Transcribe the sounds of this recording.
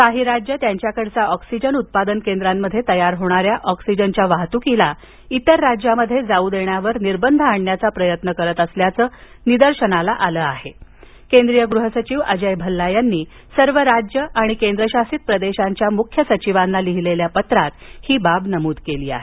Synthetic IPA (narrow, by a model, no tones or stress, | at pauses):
kaɦiːɾad͡ʑjət̪jaɲt͡ɕjakəɽt͡saɔksid͡ʑənut̪̚pad̪ənkend̪ɾamːəd̪ʱːjet̪əjaɾɦoɽ̃aɾjaʔɔksid͡ʑənt͡ɕjaʋaɦt̪ukila | it̪əɾːad͡ʑjaməd̪ʱːjed͡zauːd̪eɳjaʋəɾniɾbənd̪ʱəaɳːjat͡sapɾəjət̪nəkəɾət̪əsljat͡səː | nid̪əɾɕəɳalaʔaləːaɦe | kend̪ɾijəɡɾuɦəsət͡ɕiʋə̰d͡ʑəjbʱəlːajanːiː | səɾʋəɾad͡ʑjəʔaɽ̃ikend̪ɾəɕasit̪̚pɾəd̪eɕaɲt͡ɕjamukʰjəsət͡ɕiʋanːaliɦileljapət̪ɾat̪hiːbabnəmuːd̪keliːa̰ɦe